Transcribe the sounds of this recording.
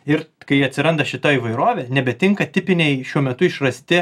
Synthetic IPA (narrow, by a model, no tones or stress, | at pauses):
ɪɾkɐɪɐt̪ʲsʲɪɾɐnd̪ɐʃʲɪt̪oiːʋɐɪɾoːʋʲeːnʲɛbʲɛt̪ʲɪŋkɐt̪ʲɪpʲɪnʲɛɪʃʲuɔmʲɛt̪ʊɪʃrɐsʲt̪ʲɪ